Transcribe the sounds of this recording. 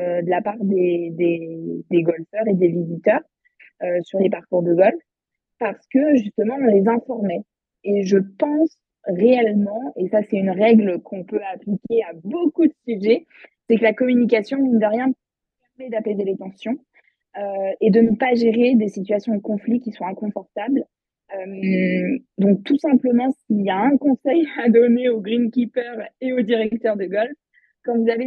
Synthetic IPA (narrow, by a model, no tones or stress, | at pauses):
ød̪əlapaʁd̪ed̪ed̪eɡɔlfœʁed̪evizit̪œːʁ | øsyʁlepaʁkuʁd̪əɡɔlf | paʁsə̥kəʒyst̪əmɑ̃ɔ̃lezɛ̃fɔʁmɛ | eʒəpɑ̃s | ʁeɛlmɑ̃esasɛt̪ynʁɛɡləkʰɔ̃pøaplikʲeabokud̪əsyʒɛ | sɛkəlakɔmynik̬ʲasjɔ̃nənvaʁjɛ̃d̪ | ɛʁmed̪apezelet̪ɑ̃sjɔ̃ | øed̪ənəpaʒeʁed̪esit̪ɥasjɔ̃d̪əkɔ̃flikʲiswɔ̃ɛ̃kɔ̃fɔʁt̪abl | øm | d̪ɔ̃k̚t̪usɛ̃pləmɑ̃siljaɛ̃kɔ̃sɛjad̪ɔneoɡʁinkʲipœʁeod̪iʁɛk̚t̪œʁd̪əɡɔlf | kɑ̃vuzave